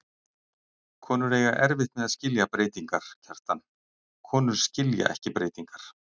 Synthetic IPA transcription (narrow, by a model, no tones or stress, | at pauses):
kʰɔːnʏɾeːjɣaʔɛɾvɪht̪mɛðaðscɪljapɾeːjt̪iŋkaɾ̥cʰar̥t̪an | kʰɔːnʏɾ̥scɪlja̰ʔɛhcɪpɾeːjt̪iŋkaɾ̥